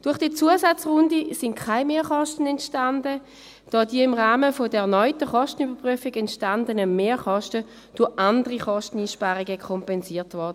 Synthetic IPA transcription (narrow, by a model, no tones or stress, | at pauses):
d̥ʊɐχd̥iːt͡suəsat͡sʁʊndisɪntkʰaɪmeːχɔʃtən̩ɛntʃtandə | d̥ɔːdiəɪmʁaːməfodəɛɐnɔʏtəχɔʃtən̩ybɐpʁyəfɪɡɛntʃtandənəmeːχɔʃtə | d̥ʊʔandəʁiχɔʃtən̩iːʃpaːʁiɡəkʰɔmpɛnsiːɐtvɔʁd̥ə